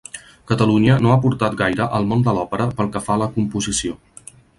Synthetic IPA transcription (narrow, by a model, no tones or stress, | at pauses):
kət̪əluɲənoapuɾt̪at̪̚ɡajɾəʔəlˠmond̪əlɔpəɾəpəlˠkəfaləkumpuzisio